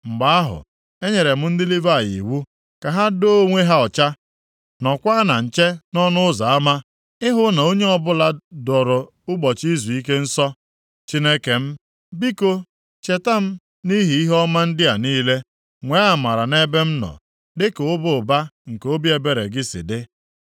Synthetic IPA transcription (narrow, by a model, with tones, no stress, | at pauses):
ŋ͡m̩˨ɡ͡ba˨˦a˦ɦʊ̰˨ | e˦ɲe˨ɾe˨m̩˦n̩˦dɪ˦li˦va˦˨jḭ˨wu˦ | ka˨ɦa˦do˦ŋʷe˦ɦa˦ɔ˨t͡ʃa˦ | nɔ˨kʷa˦na˨n̩˨t͡ʃe˦nɔ˦nʊ˦ʊ˦za˨a˦ma˦ | ɪ˦ɦʊ˦na˨o˦ɲe˦ɔ˦˨bʊ˦la˨dɔ˨ɾʊ˨ | ʊ˦ɡ͡bɔ˨t͡ʃi˦zu˨i˦k̬e˦n̩˦sɔ˦ | t͡ʃi˦ne˦ke˨m̩˦ | bi˦ko˦ | t͡ʃe˨ta˦m̩˦ | ni˦ɦi˨i˦ɦɔ˦ma˦n̩˦dɪ˦a˨niː˦le˦ | ŋʷe˨˦a˨ma˨ɾa˨ne˦be˦m̩˦nɔ̰˨ | dɪ˦ke˨ʊ˦bʊ˦ʊ˨ba˦ŋ̩˨ke˨˦o˦bi˦e˨be˨ɾe˨ɡɪ˦sɪ̰˨dɪ˦